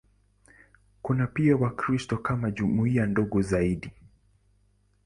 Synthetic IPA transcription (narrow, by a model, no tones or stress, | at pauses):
kunapiawakɾistɔkamaʄumuiandɔɡɔzaiɗi